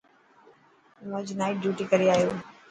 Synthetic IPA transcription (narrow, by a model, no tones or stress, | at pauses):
mõːd͡ʑnaːɪʈ̚ɖjuːʈikɐɾiaːɦijoː